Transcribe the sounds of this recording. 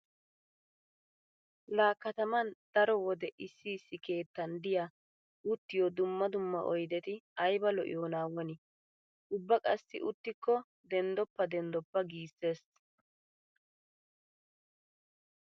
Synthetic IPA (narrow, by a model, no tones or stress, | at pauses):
laːkːɐt̪ɐmɐnd̪̥ɐɾɔwɔd̪ɛʔɪsːiːsːɪke̞ːt̪ːɐnd̪ɪja | ʊt̪ːɪjɔd̪ʊmːɐd̪ʊmːɐʔɔjd̪ɛt̪ɪɐjbɐlɔʔɪ̰joːnaːwɔnɪ | ʔʊbːɐkʼɐsːɪʔʊt̪ːɪkːɔ | d̪ɛnd̪ɔpːɐd̪ɛnd̪ɔpːɐɡiːsːe̞ːs